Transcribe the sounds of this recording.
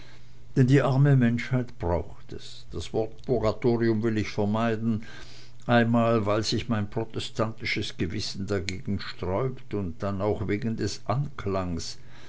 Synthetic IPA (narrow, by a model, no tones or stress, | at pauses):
d̥ɛndiːʔaʁməmɛnʃhaɪtb̥ʁaʊxtɛs | d̥asv̥ɔɐtpʰʊʁatʰoːʁiʊmvɪlɪçfɛɐmaɪdn̩ | ʔaɪnmaːlvaɪlzɪçmaɪnpʁ̥otɛstʰantɪʃəsɡ̥əvɪsn̩daɡeːɡŋ̩ʃtʁ̥ɔʏptʊnt̚d̥anaʊxveːɡn̩dɛsʔankʰlaŋs